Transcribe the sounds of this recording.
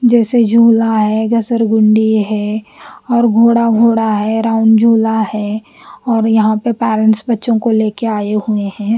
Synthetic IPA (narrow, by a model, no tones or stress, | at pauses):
d͡ʒɛːsed͡ʒʱuːlaɦɛɡɐsəɾɡʊ̃ɳɖiɦɛːɔːɾɡʱoːɽaɡʱoːɽaɦɛɾaːʊnd͡ʒʱuːlaɦɛː | ɔːɾjɐɦãpəpɛːɾə̃ɳʈsbɐtːʃõkoleːkeaːeɦueɦɛ̃ː